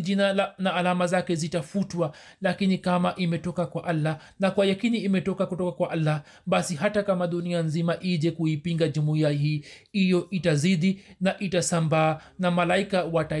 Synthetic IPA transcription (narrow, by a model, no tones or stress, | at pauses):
ʄinanaːlamazakɛzitafutwa | lakinikamaʔimɛtɔkakwaʔalːa | nakwajakiniːmɛtɔkakutɔkakwaʔalːa | ɓasiɦatakamaɗunianzimaʔiʄɛkuipiŋɡaʄumuiaɦiːhijɔʔitaziɗinaʔitasambaːnamalaikawata